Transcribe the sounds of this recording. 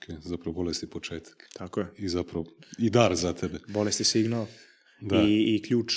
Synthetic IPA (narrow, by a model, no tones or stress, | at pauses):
okʰezapɾɐʋobolest̪ipot͡ʃeːt̪ʰḁkt̪ʰakojeizapɾaʋoid̪aːɾzat̪ʰebebolest̪isiɡnal | d̪aikʎuːt͡ʃ